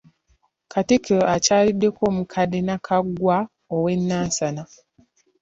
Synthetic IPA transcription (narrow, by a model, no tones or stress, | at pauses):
kʰatikʰeacaːlidːe̞koːmukʰadenakʰaɡwa | owenːaːsana